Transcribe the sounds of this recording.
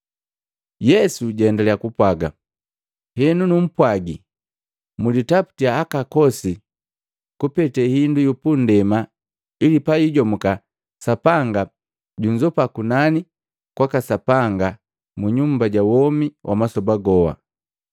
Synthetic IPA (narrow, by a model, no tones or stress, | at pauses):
jɛsuɟɛndalɛjakupwaɡa | hɛnunum̩pwaɡi | mulitapu̥tiaːkakɔsi | kupɛtɛhindujupun̩dɛma | ilipajiɟɔmuka | sapaŋɡa | ɟuɲd͡ʒɔpakunani | kwakasapaŋɡa | muɲumbaɟawɔmiwʔa̰masɔbaɡɔwa̰